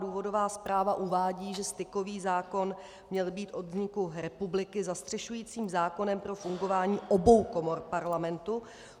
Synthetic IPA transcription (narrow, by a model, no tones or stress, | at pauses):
duːvo̞do̞vaːspɾaːvaʔuvaːɟiːʒɛst̪ɪko̞viːzaːko̞n | mɲɛlbiːt̪ʔo̞d̪zɲɪkuɾɛpublɪkɪzast̪r̥ɛʃujiːt͡siːmzaːko̞nɛmpɾo̞fuŋɡo̞vaːɲiːʔobo̞wko̞mo̞ɾpaɾlamɛnt̪u